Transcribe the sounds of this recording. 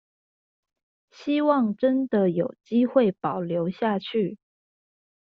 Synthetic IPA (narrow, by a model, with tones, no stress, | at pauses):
ɕi˥wɑ˥˩ŋʈ͡ʂə˥nd̪ə˨jo˨˩ʊt͡ɕi˥xwe˥˩ɪpɑ˨˩ʊljo˧˥ʊɕja˥˧t͡ɕʰy˥˩